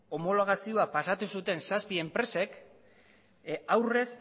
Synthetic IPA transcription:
o̞mo̞lo̞ɣ̞asio̞apasat̪usut̪e̞nsaspie̞mpɾe̞se̞k | awre̞s

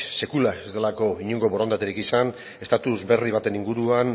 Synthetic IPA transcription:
se̞kulaezd̪e̞lako̞iɲuŋɡo̞βoɾond̪at̪eɾikisan | e̞st̪at̪uzbe̞riβat̪e̞niŋɡuɾuan

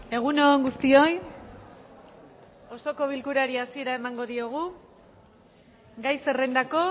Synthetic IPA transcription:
e̞ɣ̞unoŋɡust̪io̞j | o̞so̞ko̞β̞ilkuɾaɾiasie̞ɾae̞maŋɡo̞ðioɣ̞u | ɡajse̞re̞nd̪ako̞

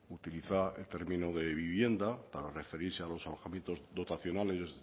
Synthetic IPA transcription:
ut̪iliθaelt̪e̞ɾmĩnoðe̞βiβ̞je̞nd̪apaɾare̞fe̞ɾiɾsealo̞saloɣamje̞nt̪o̞zðo̞t̪aθjo̞nale̞s

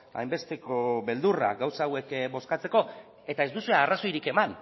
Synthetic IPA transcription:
a̰jmbe̞st̪e̞ko̞βe̞ld̪ura̰ɡawsawe̞kbo̞skat͡se̞ko̞ | e̞t̪ae̞zd̪usueaːraso̞jɾike̞man

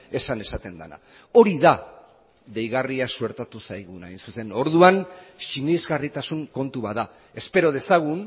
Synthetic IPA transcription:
e̞sane̞sat̪e̞nd̪ana̰ | o̞ɾiða | ðe̞jɣariasue̞ɾt̪at̪usajɣunajnsuse̞no̞ɾðuanʃinizɣarit̪asuŋko̞nt̪uβaða | e̞spe̞ɾo̞ð̞e̞saɣ̞un

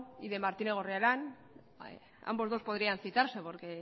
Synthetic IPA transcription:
iðe̞maɾt̪ineɣ̞orealan | a̰mbo̞zðo̞spo̞ðɾianθit̪aɾse̞po̞ɾke̞

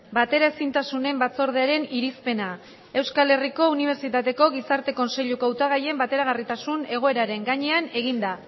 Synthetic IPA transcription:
bat̪e̞ɾae̞sint̪asune̞mbat͡so̞ɾð̞eaɾe̞niɾispe̞na | e̞wskale̞riko̞uniβ̞e̞ɾt͡sit̪at̪e̞ko̞ɣ̞isaɾt̪e̞ko̞nse̞ʎukawt̪aɣ̞aje̞mbat̪e̞ɾaɣarit̪asune̞ɣ̞o̞e̞ɾaɾe̞ŋɡaɲe̞ane̞ɣ̞ind̪a

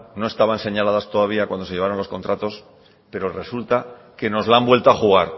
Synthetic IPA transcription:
no̞est̪aβaense̞ɲalaðast̪o̞ðaβ̞iakwand̪oeʝe̞aɾo̞nlo̞sko̞nt̪ɾat̪o̞s | pe̞ɾo̞re̞sult̪a | ke̞no̞zlambwe̞lt̪oaxuɣ̞aɾ

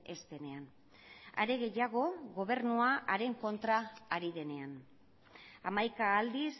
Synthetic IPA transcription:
e̞st̪e̞ne̞an | a̰ɾe̞ɣe̞jaɣ̞o̞ɣo̞β̞e̞rnuaʔaɾe̞ŋko̞nt̪ɾaːɾiðe̞ne̞an | amajkaːld̪is

